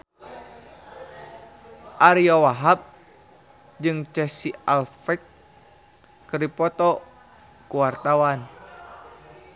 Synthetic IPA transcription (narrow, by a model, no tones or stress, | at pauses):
ʔaɾiɔwaɦap̚ | d͡ʒɨŋt͡ʃɛsialfɛk̚ | ɨripɔt̪ɔ | kuwart̪awan